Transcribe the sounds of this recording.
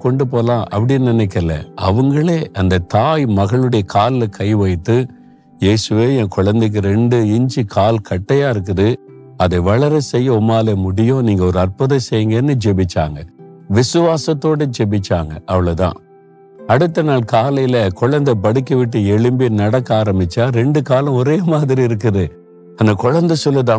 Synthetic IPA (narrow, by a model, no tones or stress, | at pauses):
kɔɳɖɯp̬oːlãːʔɐ̰pːɐɽɪjnnɪnɛk̬ːɐlːɐ̰ʔɐ̰ʋɯŋɡɐɭeːʔɐnd̪ɐt̪aːjmɐɣɐɭɯɽɐjɐkʰaːlɪlɐkʰɐɪʋɐjt̪ːɯ | jeːsɯʋeːẽːkʊɻɐnd̪ɯk̬ːɯɾɛɳɖɯɪɲd͡ʒikʰaːlkɐʈːɐjaːɪɾɯk̬ːɯðɯ | ɐðɐɪʋɐɭɐɾɐsɛjːɐɔmːaːlemʊɽɪjõniːŋɡɐɔɾɯɐrpʊðɐsɛjːɯŋɡɐnːɯd͡ʒɛbɪt͡ʃːa̰ːŋɡɐʋɪsɯʋaːsɐt̪ːoːɽed͡ʒɛbɪt͡ʃːa̰ːŋɡɐ̰ʔɐʋɐɭɐt̪ã̰ː | ɐɽɯt̪ːɐnaːlkaːlɐjɪlɐkʊɻɐnd̪ɐbɐɽɪkːɐʋɪʈːɯɛɭɯmbinɐɽɐkːaːɾɐmbɪt͡ʃːaːɾɛɳɖɯkaːlɐ̃ɔɾeːmaːðɪɾiɪɾɯk̬ːɐðɯ | ɐnɐkʊɻɐnd̪ɐsɔlːɯt̪ãː